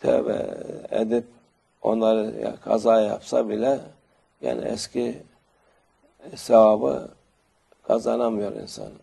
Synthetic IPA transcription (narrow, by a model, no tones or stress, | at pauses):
t̪ʰɛbɛ̰ɛd̪ip̚ | o̞nlˠaɾɯja̰kʰazaːjapsabilʲɛ | ja̰ːnɛɛscʰi | sɛvabɯ̰ | kʰazanamɯjo̞ɾḭnsa̰n